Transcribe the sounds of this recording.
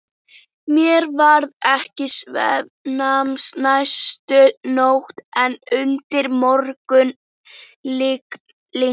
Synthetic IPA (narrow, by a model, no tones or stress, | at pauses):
mjɛɾvaɾðɛhcɪsvɛ̰ð | namsnajst̪ʏnowht̪ɛnʏnt̪ɪɾmɔɾkʏn | lɪk | li